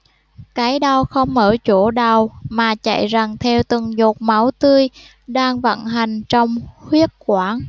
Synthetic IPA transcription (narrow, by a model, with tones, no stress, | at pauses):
kaː˨˦jɗa˧˩wxə˧wŋ͡mməː˧˩t͡ɕo˧˩ɗa˨˩wmaː˨˩t͡ɕa̰˧˨jza˨˩ŋt̪ʰɛ˧wt̪ɨ˨˩ŋzo˨˩t̚ma˨˦wt̪ɨ˧əj | ɗaː˧ŋvə̰˧˩˨nɦa˨˩jŋ̟t͡ɕɔ˧wŋ͡mhwi˦˥ət̚kwaː˧˦n